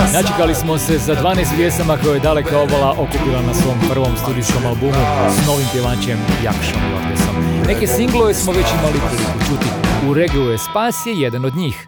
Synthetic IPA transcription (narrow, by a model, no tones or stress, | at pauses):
nat͡ʃekalismo̞se̞sad̪ʋaːneːst̪ʋje̞samakojojd̪ale̞kao̞balaʔo̞kupilˠanasʋo̞mpr̩ʋo̞mst̪uːd̪isko̞malˠbumusno̞ːʋimpjeʋaːt͡ɕemja̰kʃo̰mḭlo̰ɡjḛso̰mne̞ke̞siŋɡloʋesmo̞ʋe̞t͡ɕimalipɾilikut͡ʃut̪iuɾeɡujespaːsjejed̪ano̞d̪ɲiːx